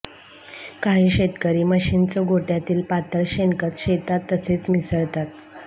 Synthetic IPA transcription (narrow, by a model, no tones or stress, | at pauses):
kaɦiːɕet̪kəɾiːməɕint͡sɔɡʱoʈjat̪iːlpat̪əɾɕenkət̪ɕet̪at̪ːəset͡smisəɭt̪at̪̚